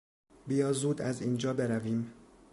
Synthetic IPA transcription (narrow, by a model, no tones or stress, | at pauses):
bijɒːzuːd̪æziːnd͡ʒɒːbe̞ɾæviːm